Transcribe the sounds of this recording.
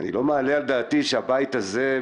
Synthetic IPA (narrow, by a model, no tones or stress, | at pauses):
a̰nḭlo̞mealealed̪aːt̪iʃeabait̪aze